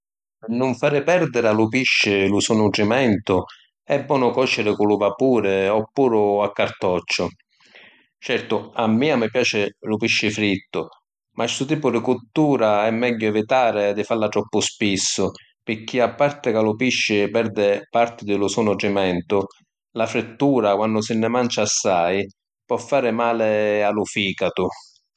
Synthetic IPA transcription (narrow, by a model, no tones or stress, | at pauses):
nʊɱfaːɾɪpɛɾd̪ɪɾalʊpiʃːɪlʊsunuʈɾimɛnt̪ʊ | ɛbːɔːnʊkɔt͡ʃːɪɾɪkʊlʊvapuːɾɪɔpːuːɾʊakːaɾt̪ɔt͡ʃːʊ | t͡ʃɛɾt̪ʊamːiːamɪpjaːt͡ʃɪlʊpiʃːɪfɾit̪ːʊ | mʔasʊt̪iːpʊd̪ɪkut̪ːuːɾaɛmːɛʎːʊɛvit̪aːɾɪd̪ɪfalːat̪ɾɔpːʊspisːʊ | pɪɾk̟ːiapːart̪ɪkalʊpiʃːɪpɛɾd̪ɪpart̪ɪd̪ɪlʊsɔnɔʈɾimɛnt̪ʊ | lafɾɪt̪ːuːɾakwanːʊsɪnːɪmant͡ʃaːsːaj | pɔfːaːɾɪmaːlɪalʊfiːkat̪ʊ